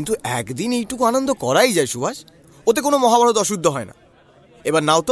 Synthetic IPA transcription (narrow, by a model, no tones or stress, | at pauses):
nt̪uɛkd̪inejʈukuanond̪okɔɾajd͡ʑaeʃubaʃ | ot̪̬ek̬onomɔɦabaɾot̪ɔʃud̪ʱːoɦɔena̰ | ebaɾnawt̪